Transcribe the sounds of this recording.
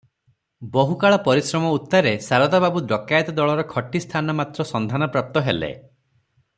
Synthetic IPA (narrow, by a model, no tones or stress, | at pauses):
bɔɦukaɭɔpɔɾisɾɔmɔut̪ːɔɾesaɾɔd̪ababud̪ɔkajt̪ɔd̪ɔɭɔɾɔkʰɔʈːist̪ʰanɔmat̪ɾɔsɔnd̪ʱanɔpɾap̚t̪ɔɦelḛ